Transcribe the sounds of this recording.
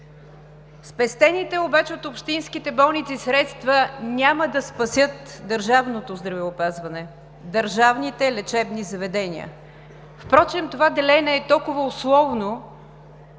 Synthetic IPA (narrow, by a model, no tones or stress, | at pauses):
spɛst̪ɛnit̪ɛobat͡ʃɛot̪opʃt̪inskit̪ɛbɔlˠnit̪sisɾɛt̪st̪vənʲaməd̪ɐspɐsʲjɤt̪d̪əɾʒavnot̪ozd̪ɾɐvɛʊpazvɐnɛ | d̪əɾʒavnit̪ɛlɛt͡ʃɛbnizɐvɛd̪ɛniə̰ | fpɾɔt͡ʃɛmt̪ovad̪ɛlɛnɛːt̪ɔlˠkʊvəʊslˠɔvno